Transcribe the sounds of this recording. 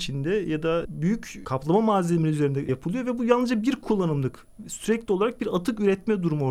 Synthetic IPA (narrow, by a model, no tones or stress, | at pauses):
t͡ʃʰind̪ɛjad̪abyjyckʰaplˠamamaːzʲelʲiminʲiyze̞ɾind̪ɛjapʰɯlˠɯjo̞vɛbujalˠnɯzd͡ʒabiɾkʰulˠːanɯmd̪ˠɯk | syɾɛclʲio̞lˠaɾak̚biɾat̪ʰɯkyɾɛt̪mɛd̪uɾumo